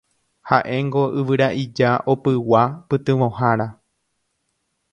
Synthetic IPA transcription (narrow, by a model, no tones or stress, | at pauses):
haʔẽ̞ŋɡo̞ɨʋɨɾaʔid͡ʒaʔopɨwapɨt̪ɨ̃ʋõ̞ɦaɾa